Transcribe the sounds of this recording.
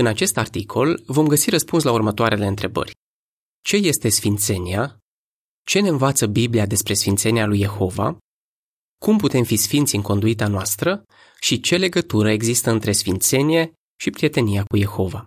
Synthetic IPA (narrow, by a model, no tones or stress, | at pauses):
ɨnat͡ʃe̞st̪art̪ikʰo̞lvo̞mɡəsiɾəspunslaurmət̪oaɾʔe̞le̞ɨnt̪ɾe̞bə̰rʲ | t͡ʃe̞je̞st̪e̞sfint̪se̞nia | t͡ʃe̞neɨnvat̪səbibliad̪e̞spɾe̞sfint̪se̞nialujːe̞xo̞va̰ | kumput̪e̞mfisfint̪sʲɨŋko̞nd̪uit̪anoast̪ɾə | ʃit͡ʃe̞le̞ɡət̪uɾəeɡzist̪əɨnt̪ɾe̞sfint̪se̞nije̞ | ʃipɾie̞t̪e̞nijakuje̞xo̞va